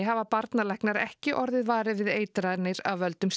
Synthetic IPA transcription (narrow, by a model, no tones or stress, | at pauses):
ɦavapaɾt̪nalɛhknaɾɛ̰hcɪʔɔɾðɪðvaːɾɪvɪðeːjt̪ɾanɪɾa̰vœlt̪ʏms